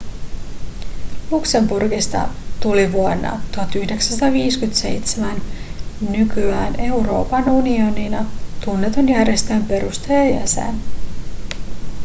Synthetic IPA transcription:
lukse̞mburɡist̪ɑ̰t̪uliʋuo̞nːɑ̰t̪uɑt̪yhde̞ksænsɑt̪ɑʋiːskyt̪se̞̰jt̪semænː | ykyæːne̞wɾo̞̰ːpɑnunio̞ninɑt̪unːe̞t̪o̞njærjest̪eːmpe̞ɾust̪ejɑjæ̰sḛn

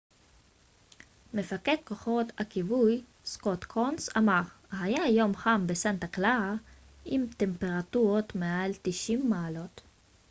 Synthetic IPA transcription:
me̞faket̪̚ko̞χot̪hakivuj | skot̪kʰonsa̰maʁ | hajajo̞mχambesant̪aklaa | ʔimt̪e̞mpe̞ʁat̪uʁot̪mealt̪iʃimːaːlo̞t̪

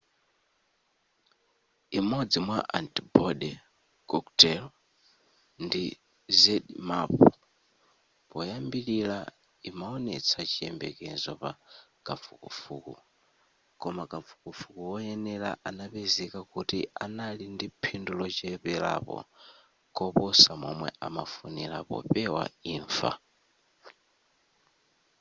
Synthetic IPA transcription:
imɔd͡zimwaʔantibɔɗɛ | kɔktɛl | ndi | zɛɗmapɔ | pɔjambilila | imaɔnɛ̰t͡sʰat͡ʃʰiɛmbɛ̰kɛnzɔpa̰kafukufuːku | kɔmakafu̥kufukuwɔjɛnɛla̰ʔanapɛzɛkakutianalindipʰindulɔt͡ʃɛpɛla̰pɔ̰ | kɔpɔsamɔ̰mwɛamafunila̰pɔ̰pɛwa̰iːɱfa̰

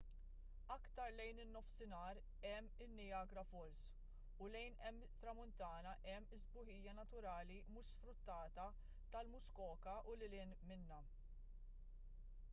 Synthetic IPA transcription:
ɐkt̪ɐɾlɛjnɪnːɔfsɪnɐːɾ | ɛmːɪnːɪjɐːɡɾɐfɔls | ʊlɛjnɛmːt̪ɾɐmʊnt̪ɐːnɐʔɛmːɪzbʊħɪjːɐnɐt̪ʊɾɐːlimʊːʃsfɾʊt̪ːɐːt̪ɐ | t̪ɐlmʊskɔːkɐʔʊlɪlɪːnmɪnːɐ

